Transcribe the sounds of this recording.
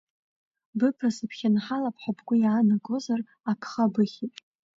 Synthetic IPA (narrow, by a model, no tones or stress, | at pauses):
bɨpʰrasapʰχʲanħalapʰħapʰɡʷʊjaːnaɡo̞zar | akʰχabɨχʲitʼ